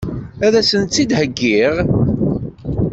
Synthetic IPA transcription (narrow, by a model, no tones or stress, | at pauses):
æðæsənt̪t͡sːid̪həɡːiʁ